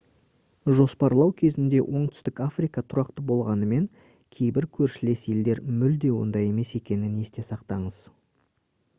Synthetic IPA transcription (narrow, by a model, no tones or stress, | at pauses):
ʒo̞spɑɾlˠɑwkʲʰe̞zɪnd̪e̞wʔo̞ɴt̪ʰʏ̥st̪ɪkafrijkɑt̪ʰʊɾɑqt̪əbo̞lˠʁɑnəme̞ŋ | kʲʰe̞jbɪɾkʲʰɵɾʃɪle̞se̞ld̪e̞ɾmʏld̪e̞wo̞̰nd̪ɑje̞me̞se̞kʲe̞nɪne̞st̪e̞sɑqt̪ɑɴəz̥